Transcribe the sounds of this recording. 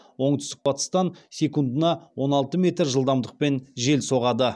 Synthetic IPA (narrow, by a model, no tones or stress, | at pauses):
wo̞ɴt̪ʏst̪ɪk̚b̥ɑt̪ə̥st̪ɑnsʲe̞kund̪ənɑwo̞nɑlˠt̪əme̞t̪ɾʒəlˠd̪ɑmd̪əq̚pe̞nʒe̞lso̞ʁɑd̪ə